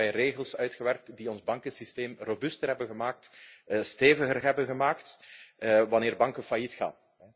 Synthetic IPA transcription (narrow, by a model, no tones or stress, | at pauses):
ɛjreːɣəlˠsœɥtxəʋɛrk̚tdiɔnzbɑŋkənsisteːmrobʏstərɦɛbənɣəmaːk̚tːsteːvəɣərɦɛbənɣəmaːkt | ʋɑnɪːrbɑŋkəfajitxa̰ːn | ɛ